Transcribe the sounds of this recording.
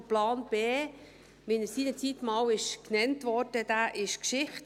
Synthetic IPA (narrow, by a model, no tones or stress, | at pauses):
plɑːnb̥eː | mɪnəsiːnət͡sit̪mɑːwɪʃknɛntʋɔrd̥əd̥̪æːʔɪʃkʃɪχt